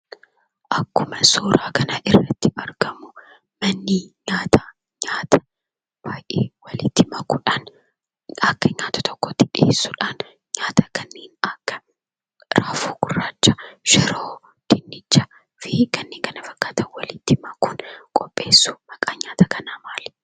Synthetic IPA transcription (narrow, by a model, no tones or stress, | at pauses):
ʔɐkːʊmɐsoːɾaːkɐnaʔɪrːɐt̪ːɪʔɐɾɡɐmʊ | mɐnːiɲaːt̪a | ɲaːt̪ʰɐ̥ | b̥aːjʔeːwɐlɪt̪ːɪmɐkʊᶑan | ɐkːɐɲaːt̪ɐ̥t̪ɔkːot̪ɪᶑɪḛːsːʊᶑaːn | ɲaːt̪ɐkɐnːeːnɐkːɐ̥ | ɾaːfuːɡʊrːaːt͡ʃːɐʃɛɾoː | d̪̥ɪnːɪd͡ʒːɐ | fɪkɐnːeːŋkɐnɐfɐkːaːt̪ɐnwɐlɪt̪ːɪmɐkʊnkʼɔpʼːe̞ːsːʊmɐkʼaːɲaːt̪ɐkɐnaːmaːl